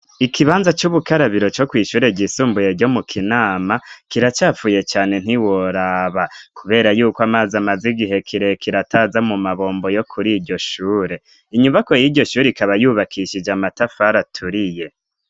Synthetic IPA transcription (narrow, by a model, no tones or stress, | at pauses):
ikʰiβaːnzat͡ʃuβukaɾaβiɾo̞t͡ʃo̞kwiːʃuːɾe̞ɟisuːmbujeɾɟo̞mukʰinaːmakiɾat͡ʃaːfuːje̞t͡ʃaːne̞n̥iwoɾaːβakuβe̞ːɾajuːkoamaːzamaziɡiɦe̞kʰiɾe̞kʰiɾataːzamumaβo̞ːmbo̞jo̞kʰuɾiːɾɟo̞ʃuːɾe̞ | iɲumbako̞jiːdɟo̞ʃuːɾeikaβajuːβakʰiʃid͡ʒamatafaɾatʰuɾije̞